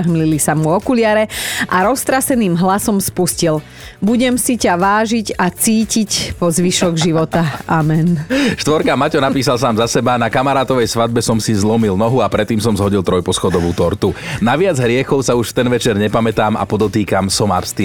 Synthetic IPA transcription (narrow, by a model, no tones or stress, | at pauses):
ɦmlilisamuɔkulɪaɾɛʔaɾɔst̪ɾasɛniːmɦlasɔmspuscil | buɟɛmsicaʋaːʒiɟat͡siːcicpɔzʋiʃɔɡʒiʋɔt̪aamɛnʃt̪ʋɔɾkamacɔnapiːsalsaːmzasɛbanakamaɾaːt̪ɔʋɛjsʋad̪̚bɛsɔmsizlɔmilnɔɦuapɾɛt̪ːiːmsɔmzɦɔɟilˠt̪ɾɔjpɔsxɔd̪ɔʋuːt̪ɔɾt̪unaʋɪad͡zɦɾɪɛxɔʊsauʃft̪ɛnʋɛt͡ʃɛɾɲɛpamɛt̪aːma̰pɔd̪ɔt̪iːkamsɔma̰pst̪i